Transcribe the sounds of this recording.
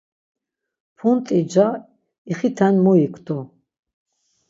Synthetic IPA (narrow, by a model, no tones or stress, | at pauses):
pʰunt̪ʼid͡ʒa | iχit̪ʰanʲmɔikʰt̪ʰɔ